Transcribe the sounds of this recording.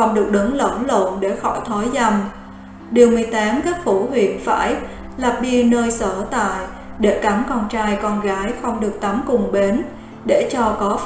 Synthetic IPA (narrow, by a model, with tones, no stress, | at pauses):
ə˧wŋ͡mɗɨ˨˩ək̚ɗə˨˦ŋlə̰˧˩nlo̰˧˨nɗe˧˩xɔ̰˧˩jt̪ʰɔ˨˦jza˧m | ɗi˨˩əwmɨ˨˩əjt̪ɛː˨˦mkaː˦˥k̚fu˧˩hwḭ˧˨ənfa̰ː˧˩j | la˨˩p̚ɗi˧nəː˧jsəː˧˩t̪a̰ː˧˨j | ɗe˧˩ka˨˦mkɔ˧nt͡ɕaː˧jkɔ˧nɣaː˨˦jxə˧wŋ͡mɗɨ˨˩ək̚t̪a˨˦mkʊ˨˩ŋ͡mɓe˨˦n | ɗe˧˩t͡ɕɔ˧kɔ˨˦